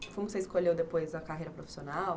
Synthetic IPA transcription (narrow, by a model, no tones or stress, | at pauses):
foj̃seɪiskoʎewd̪epojzɐkaɦejɾɐpɾofi̥sionaw